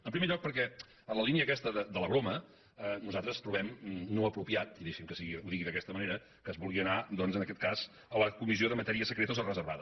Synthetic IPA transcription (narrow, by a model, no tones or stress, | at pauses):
əmpɾimeʎɔk̚pəɾkɛ | ənləliniəkɛst̪əðəd̪ələβɾomə | ənuzalˠt̪ɾəst̪ɾuβ̞ɛmnoəpɾupiat̪̚iðɛʃimkəsiɣiuðiɣiðəkɛst̪əməneɾə | kəːzβulˠɣiənad̪ɔnzənəkɛt̪̚kaz̥ | əəkumizioðəmət̪ɛɾiəsəkɾet̪əozərəzəɾβaðə